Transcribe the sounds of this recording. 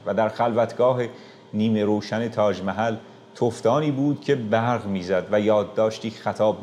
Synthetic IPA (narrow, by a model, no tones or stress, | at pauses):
væd̪æɾxælvæt̪ʰɡ̥ɒːɦe̞ | niːme̞ɾoːʃæne̞t̪ʰɒːd͡ʒmæɦæl | t̪ʰoft̪ɒːniːbuːd̪̥̚cʰe̞bæɾɣmiːzæd̪væjɒːd̪ːɒːʃt̪iːxæt̪ʰɒːb